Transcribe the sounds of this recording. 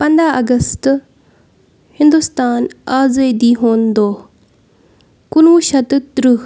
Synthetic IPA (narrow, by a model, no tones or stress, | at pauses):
pɐ̃nd̪aɐɡəst̪ | hɪ̃nd̪ʊst̪aːnaːzeːd̪iːɦoːnd̪oː | kʊnuʃɐt̪t̪ɾuɦ